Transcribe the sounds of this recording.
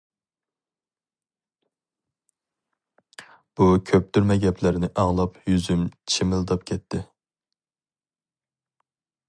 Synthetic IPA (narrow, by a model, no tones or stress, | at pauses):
b̥ukʲʰøp̚t̪ʰyɾmɛɡʲɛpʰlɪɾnɪʔɑʁlˠɑpjyzymt͡ʃʰimɪlˠd̪ɑpkʲʰɛt̪ʰːɪ